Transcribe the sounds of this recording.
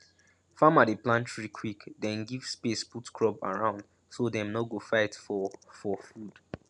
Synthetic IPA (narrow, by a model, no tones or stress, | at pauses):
fãmadeplãntɹikʰwikdɛ̃nɡivspesputkɹɔba̰ɹãʊ̃nd | sodɛ̃mnɔɡofaɪtfɔfɔfud̥